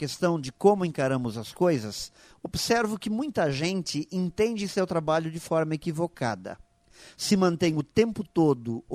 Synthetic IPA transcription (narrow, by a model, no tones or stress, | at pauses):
kest̪ɐ̃w̃d͡ʒɪkõmʊẽkaɾɐ̃mʊzɐskojzɐs | obsɛɾvʊkɪmũj̃t̪ɐʒẽnt͡ʃɪʔẽnt̪ẽnd͡ʒɪsewt̪ɾabaʎʊd͡ʒɪfɔɾmɐekivoka̰d̪ɐ̰ | sɪmɐ̃nt̪ẽj̃ʊt̪ẽmpʊt̪od̪ʊ